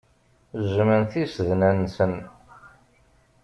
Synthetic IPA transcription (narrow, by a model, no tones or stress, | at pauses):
zəmənθisðnænsən